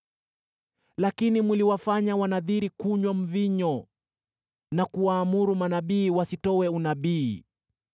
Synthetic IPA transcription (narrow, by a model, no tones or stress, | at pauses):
lakinimiliwafaɲawanaðiɾikuɲwam̩viɲɔ | nakuwaːmuɾumanaɓiːwasitɔwɛunaɓiː